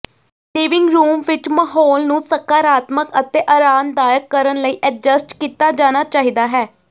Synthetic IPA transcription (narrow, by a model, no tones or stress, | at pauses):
liːʋɪŋɡɾuːmʋɪt͡ʃməɦɔːlnũːsəkːaːɾaːt̪məkət̪eːʔəɾaːnd̪aːjəkːəɾənləiːʔəd͡ʒəsʈkiːt̪aːd͡ʒaːnaːt͡ʃaːɦiːd̪aːɦɛː